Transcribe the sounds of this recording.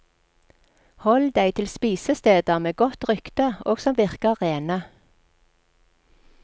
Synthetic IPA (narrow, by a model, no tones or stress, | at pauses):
hɔld̪æɪt̪ʰɪlspiːsəst̪eːd̪əmeːɡɔt̪ʁʏkt̪əʔoːɡ̥sɔmʋɪʁkəʁeːnə